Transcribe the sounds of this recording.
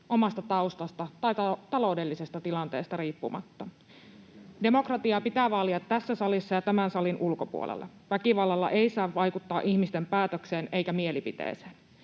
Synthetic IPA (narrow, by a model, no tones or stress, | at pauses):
ʔo̞mɑst̪ɑt̪ɑust̪ɑst̪ɑt̪ɑjt̪ɑt̪ɑlo̞wde̞lːisest̪ɑt̪ilɑnt̪e̞̰ːst̪ɑriːpːumɑ̰t̪ːɑ | de̞mo̞krɑt̪iɑpit̪æːʋɑliɑt̪ːæsːæsɑlisːɑjɑt̪æmænsɑlinʔulko̞pṵolʔḛlːɑ̰ | ʋækiʋɑlːɑlːɑ̰ʔe̞jsɑːʋːɑjkut̪ːɑːʔiçmist̪empæːt̪økse̞ːne̞jkæmie̞lipit̪ḛːse̥ːn